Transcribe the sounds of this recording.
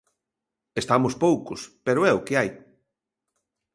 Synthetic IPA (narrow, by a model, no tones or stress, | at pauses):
est̪amʊspowkʊspeɾʊɛʊkɪaj